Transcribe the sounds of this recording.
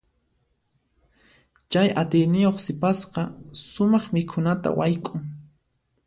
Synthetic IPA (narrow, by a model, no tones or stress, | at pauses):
t͡ʃajʔat̪ɪjnɪjoχsɪpasqɑsʊmɑχmɪkʰʊnat̪a̰wʔajkʼʊŋ